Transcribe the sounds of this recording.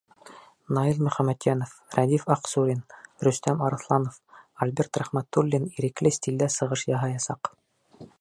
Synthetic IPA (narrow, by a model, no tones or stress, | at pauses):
nɑilˠmɵ̆χæmːæt̪jænofræd̪ifɑqsuɾʲinɾɵ̆st̪æmɑɾɤ̆θlˠɑnofɐlʲbert̪ræχmæt̪ːulʲːiniɾɘ̆klɘst̪ʲild̪æsɤ̆ʁɤʃjɑɦɑjɑsɑq